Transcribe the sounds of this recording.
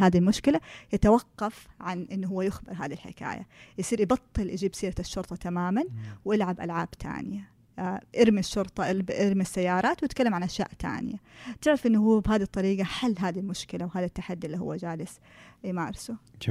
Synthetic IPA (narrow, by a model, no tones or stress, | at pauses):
haːd̪ilmʊʃkɪlajɪt̪awɑqːɑfʕanʔɪnːuɦʊwːajʊxbɪɾɦaːd̪ilħɪ̰ka̰ːja̰jsˤiːɾʔɪbɑt̪ˤːɨlʔɪd͡ʒiːbsiːɾaʃːʊɾt̪ˤɑt̪amaːmanwʔɪlʕabʔa̰lʕaːbt̪ʰa̰ːnɪja | ʔɪɾmiʃːʊɾt̪ˤɑʔʔɪɾmisːajːɑːɾˤɑːt̪wɪt̪kalːamʕanʔaʃja̰ːʔt̪a̰ːnɪ̰jat̪ɪʕɾafʔɪnːʊɦuːabɦaːd̪it̪ˤːɑɾiːɡaħalːɦaːd̪ilmʊʃkɪlawɦaːðat̪ːaħad̪ːiʔɪlːiɦhʊ̰ːad͡ʒaːlɪs | jmaːɾɪsʊ